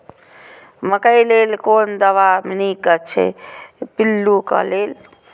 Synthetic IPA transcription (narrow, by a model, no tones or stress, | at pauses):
məkəjleːlkoːnd̪əʋamnikət͡ʃʰḛpilːukə̰leːl